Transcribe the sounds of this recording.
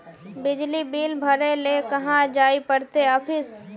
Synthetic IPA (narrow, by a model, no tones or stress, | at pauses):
bɪd͡ʒlibiːlbʱəɾelekəɦãd͡ʒaːipəɽt̪eəpʰɪs